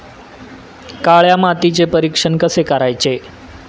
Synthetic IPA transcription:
kaɭjamat̪it͡sepəɾikʂəɳkəsekəɾajt͡se

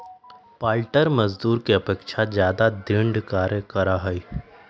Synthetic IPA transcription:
paːlʈəɾmɐzd̪uːɾkeɐpeːkʃazjaːd̪ad̪ɾɪ̃ɳɖkaːɾjəkəɾaɦɐi

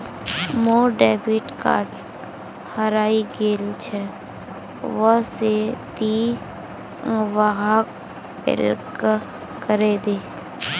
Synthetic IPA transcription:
moːɖeːbiʈka̰ːʈ | həɾaːiɡeːlut͡ʃʰɛ | ʋəset̪i | ʋaɦa | ɪ̰lk | kəɾeːd̪eː

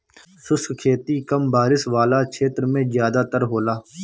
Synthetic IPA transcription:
sʊskkʰeːt̪iːkəmbaːɾɪsʋaːlaːt͡ʃʰeːt̪ɾmẽːzjaːd̪aːt̪əɾɦoːlaː

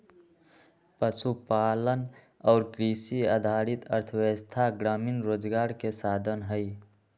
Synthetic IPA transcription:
pəsupalən | ɔːɾkɾisiad̪ʱaɾit̪əɾt̪ʰəwest̪ʰaɡɾaːminɾoːd͡ʒɡaːɾkesaːd̪ʱənɦəj

